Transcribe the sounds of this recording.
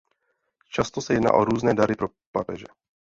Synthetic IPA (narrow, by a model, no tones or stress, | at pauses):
t͡ʃast̪osɛjɛdna̰ːʔoɾuːznɛːdaɾɪpɾo | papɛʒɛ